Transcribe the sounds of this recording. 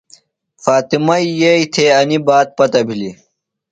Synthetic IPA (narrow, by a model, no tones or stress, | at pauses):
faːt̪imɐijeit̪ʰeːɐnibaːt̪̚pɐt̪ɐbʱili